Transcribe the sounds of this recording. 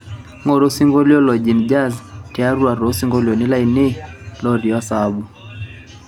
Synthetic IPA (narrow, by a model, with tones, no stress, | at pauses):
ŋɔ˨ɾo˦si˦ŋɡo˦li˦ɔ˦lɔ˨d͡ʒi˨nd͡ʒa˦˨zti˨a˦ɾu˦a˨ɾo˨˦si˦ŋɡo˦ljɔ˨nɪ˦la˦i˨ne˦lɔ˦ɾi˨ɔ˦sa˦bu˨